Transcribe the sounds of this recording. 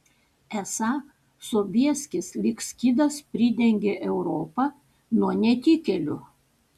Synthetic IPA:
ɛsɑ | soːbʲiɛsʲkʲɪslʲɪksʲkʲiːd̪ɐspʲɾʲɪd̪ʲɛŋʲɡʲeʔɛʊɾɔːpɐ | nuɔnʲɛt̪ʲikʲɛlʲʊ̰

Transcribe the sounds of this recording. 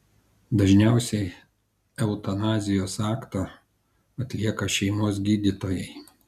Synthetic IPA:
d̪ɐʒʲnʲæˑʊsʲɛɪ | ɛʊt̪ɐnɑːzʲɪjoːsɑːkt̪oː | ɐt̪ʲlʲiɛkɐʃʲɛɪmoːs̬ɡʲiːd̪ʲɪt̪oːjɛɪ

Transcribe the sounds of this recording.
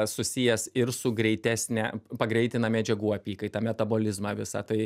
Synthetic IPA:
sʊsʲijɛsɪɾsʊɡɾʲɛɪt̪ʲæːsʲnʲɛpɐɡɾʲɛɪt̪ʲɪnɐmʲɛd͡ʒʲɛɡuːɐpʲiːkɐɪt̪ɑmʲɛt̪ɐboːlʲɪzmɑːʋʲɪsɑ̰t̪ɐɪ

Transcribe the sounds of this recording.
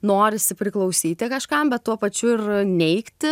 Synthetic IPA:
noːɾʲɪsʲɪpʲɾʲɪklˠɐʊsʲiːt̪ʲɪkɐʃkɐmbʲɛt̪t̪ːuɔpɐt͡ʃʲʊɪrnʲɛɪkt̪ʲɪ

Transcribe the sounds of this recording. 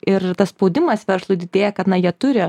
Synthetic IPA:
ɪɾt̪ɐsspoʊd̪ʲɪmɐsʋʲɛɾslˠʊɪd̪ʲɪd̪ʲeːjɛkɐt̪nɐjiɛt̪ʊɾʲɪ

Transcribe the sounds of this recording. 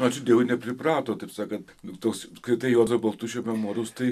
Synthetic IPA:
nɐt͡ʃʲʊd̪ʲiɛɡʊnʲɛpʲɾʲɪprɑːt̪oːt̪ɐɪpsɑːkɐt̪ | ʊt̪oːkskɐɪt̪ɐɪjoːzɐbɐlˠt̪uʃʲoːmʲɛmoːɾʲoʊst̪ɐɪ

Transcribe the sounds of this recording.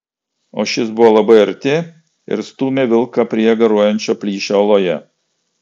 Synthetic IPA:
o̰ːʃʲɪsbʊʋoːlˠɐbɐɪɐɾʲt̪ʲeː | ɪ̰ɾst̪uːmʲeʋʲɪlˠkɑpʲɾʲiːɡɐɾuɔjɛnʲt͡ʃʲoːpʲlʲiːʃʲoɐlˠoːjɛ

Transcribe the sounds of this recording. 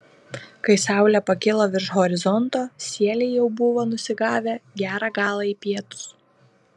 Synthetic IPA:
kɐɪsɑˑʊlʲɛpɐkʲɪlˠoːʋʲɪɾʃɦɔɾʲɪzɔnt̪oːsʲiɛlʲɛɪjɛʊbʊʋoːnʊsʲɪɡɑːʋʲeɡʲæːɾɑːɡɑːlˠɑiːpʲiɛt̪ʊ̥s

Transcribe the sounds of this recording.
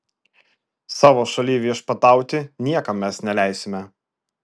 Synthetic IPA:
sɑːʋoːʃɐlʲiːʋʲiɛʃpɐt̪ɑˑʊt̪ʲɪnʲiɛkɐmːʲɛsnʲɛlʲæˑɪsʲɪmʲɛ

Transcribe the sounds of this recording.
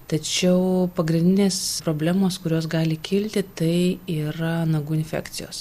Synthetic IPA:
t̪ɐt͡ʃʲɛʊpɐɡɾʲɪnd̪ʲɪnʲeːspɾoːbʲlʲæːmoːskʊɾʲoːsɡɑːlʲɪkʲɪlʲt̪ʲɪt̪ɐɪiːɾɐnɐɡuːɪnʲfʲæ̰ːkt̪sʲɪjo̰ːs

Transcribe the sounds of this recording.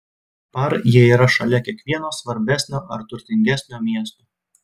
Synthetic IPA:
pɐɾjiɛiːɾɐʃɐlʲɛkʲiɛkʋʲiɛnoːsʋɐɾʲbʲæsʲnʲoːʔɐɾt̪ʊɾʲt̪ʲɪŋʲɡʲæsʲnʲoːmʲiɛst̪oː

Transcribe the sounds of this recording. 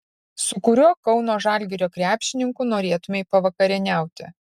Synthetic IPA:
sʊkʊɾʲuɔkɒʊnoːʒɑːˑlʲɡʲɪɾʲoːkɾʲæːpʲʃʲɪnʲɪŋkʊnoːɾʲeːt̪ʊmʲeɪpɐʋɐkɐɾʲɪnʲæˑʊt̪ʲɪ̰

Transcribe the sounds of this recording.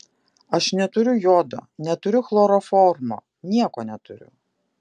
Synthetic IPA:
ɐʃnʲɛt̪ʊɾʲʊjoːd̪ɐ̰nʲɛt̪ʊɾʲʊxlˠoːɾɔfɔːɾmo̰ː | nʲiɛkɔːnʲɛt̪ʊɾʲʊ̰

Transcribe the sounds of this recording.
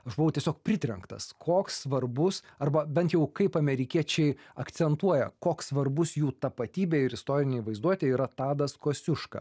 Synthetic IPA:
ɐʃbʊʋɐʊtʲiɛsʲoːk̚pʲɾʲɪt̪ʲɾʲɛŋkt̪ɐ̰skʰoːkssʋɐrbʊsɐrbɐbʲɛnt̪jɛʊkɐɪpɐmʲɛɾʲɪkʲiɛt͡ʃʲɛɪɐkt̪sʲɛnt̪uɔjɛ̰koːkssʋɐrbʊsjuːt̪ɐpɐt̪ʲiːbʲeːɪɾɪst̪oːɾʲɪnʲeːʋɐɪzd̪uɔt̪ʲeɛiːɾɐt̪ɑːd̪ɐskoːsʲʊʃkɐ̰

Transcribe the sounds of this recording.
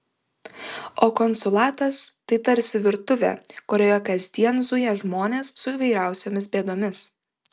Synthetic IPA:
oːkɔnsʊlˠɑːt̪ɐst̪ɐɪt̪ɐɾʲsʲɪʋʲɪɾt̪ʊʋʲɛ̰ːkʊɾʲoːjɛkɐzʲd̪ʲiɛnzʊjɛʒmoːnʲeːsːʊiːʋɐɪɾʲæˑʊsʲoːmʲɪs̬bʲeːd̪oːmʲɪs

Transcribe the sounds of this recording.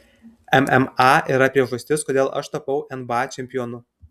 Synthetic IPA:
ɛmɛmɑːʔiːɾɐpʲɾʲiɛʒɐsʲt̪ʲɪskoːd̪ʲeːlˠʔɐ̰ʃt̪ɐpɐʊʔɛnbɑːt͡ʃʲɛmʲpʲɪjoːnʊ

